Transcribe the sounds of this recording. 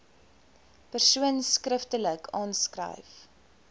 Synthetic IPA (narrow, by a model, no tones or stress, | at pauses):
pərsuənskrəftələkʰɑːnskrə̰jf